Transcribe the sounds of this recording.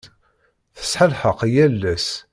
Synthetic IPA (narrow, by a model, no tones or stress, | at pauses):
θə̥sħəlħəqjælːæs